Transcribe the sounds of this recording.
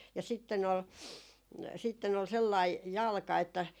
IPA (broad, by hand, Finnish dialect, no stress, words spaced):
jɑ sitːen ol sitːen ol selːɑi jɑlkɑ etːæ